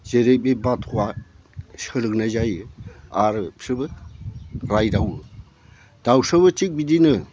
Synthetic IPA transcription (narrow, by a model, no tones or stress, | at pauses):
zeɾebebatʰua | sɯɾɯk̚nazajɯaɾɯpsɯbɯ | ɾajdaw | d̥awsɯβɯt͡ʃik̚bidinɯ